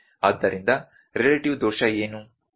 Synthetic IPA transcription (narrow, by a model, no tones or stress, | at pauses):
ɐd̪ːɐɾind̪ɐ | ɾelɐʈiʋd̪ɔːʃɐeːnu